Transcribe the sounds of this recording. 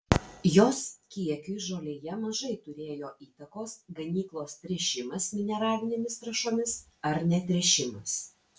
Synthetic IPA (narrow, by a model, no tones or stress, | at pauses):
joːskʲiɛkʲʊɪʒoːlʲeːjɛmɐʒɐɪt̪ʊɾʲeːjoːʔiːt̪ɐkoːsɡɐnʲiːklˠoːst̪ʲɾʲɛʃʲɪmɐsmʲɪnʲɛɾɑːlʲɪnʲeːmʲɪst̪ɾɐʃoːmʲɪs | ɐɾnʲɛt̪ʲɾʲɛʃʲɪmɐs